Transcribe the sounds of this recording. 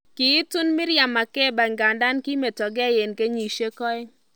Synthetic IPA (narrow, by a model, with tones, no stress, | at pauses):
kiː˨˦tʊ˦nmɪ˦ɾja˨ma˨kɛ˦˨ba˨ŋɡa˨nda˦nki˦me˨tɔ˨ɡɛ˦je˨nke˦ɲi˨ʃe˦kɔ˦ɪ˦